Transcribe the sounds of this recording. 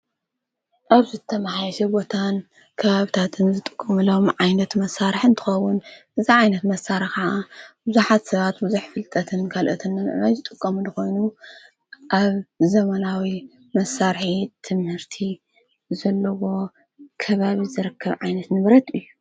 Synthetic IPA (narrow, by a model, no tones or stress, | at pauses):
ʔaβzɨt̪ʰɐmaħajɐʃɛbo̞t̪ʰan | kʰɐβaβit̪ʰat̪ʰɨnzɨt̪ʼɨkʼːɐmulo̞mʕajnɐt̪mɐsːaɾħɨnt̪ʰɨ̥xɐwːʊnʔɨziʕajnɐt̪mɐsaɾɐxaʕabɨzuħat̪sɐβat̪bɨzuħfɨlt̪ʼɐt̪ʰɨnkʰalʔɐt̪ʰɨnːɨm̰ʔnajzɨt̪ʼɨkʼːɐmulɨxo̞jnu | ʔaβzɐmɐnawi | mɐsaɾħit̪ʰɨmhɨɾt̪ʰi | zɐlːɐwo̞ | kʰɐβaβizɨɾɨkʰːɐβʕajnɐt̪nɨβɾɐt̪ɨjːu